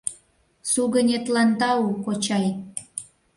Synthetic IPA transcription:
suɣənʲet̪lɑnd̪ɑukot͡ɕɑj

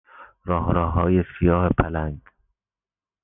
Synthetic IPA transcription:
ɾɒːhɾɒːɦɒːjesijɒːhepʰælænd̪̥

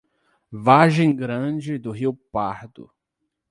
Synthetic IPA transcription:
vaʒẽj̃ɡɾɐ̃d͡ʒɪd̪ʊɦiwpaɾd̪ʊ̰

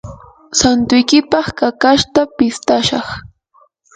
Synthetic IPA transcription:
sant̪ʊjkɪpɑχkakaʃt̪apɪst̪aʃɑχ

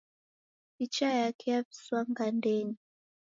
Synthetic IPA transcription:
it͡ʃajakʰɛjaɸi̥swaŋɡandɛɲi

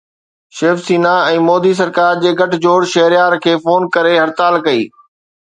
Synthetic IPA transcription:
ʃeːfsiːnaɛ̃ːmɔːd̪is̬ɐɾkaːɾd͡ʑeːɡʱɐʈɪ̆d͡ʑoːɽʃɐɦɾjaːɾkʰeːfoːnkɐɾeɦɐɾt̪aːlkɐḭː

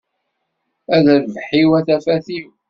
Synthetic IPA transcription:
æðæðvħiwæθæfæθiw

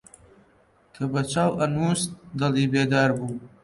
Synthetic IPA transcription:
kʰəbat͡ʃawanusd̪alibed̪ɑːɾbu

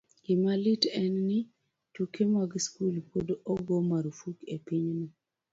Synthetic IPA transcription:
ɡɪmalitɛnni | tukemaɡskulpʰodoɡomaɾufukepiɲni

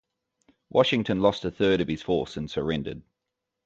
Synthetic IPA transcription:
wʔɒʃɪ̃ŋtʰə̃nlɒstəθɜːɾəv̥ɪz̥fɔˑsə̃nsəɹɛ̃ndə̰d̥̚

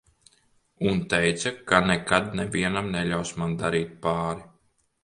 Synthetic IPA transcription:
unt̪ɛjt̪sakanɛkad̪̚nɛviɛnamnɛʎʲawsmand̪aɾiːt̪̚paːɾi

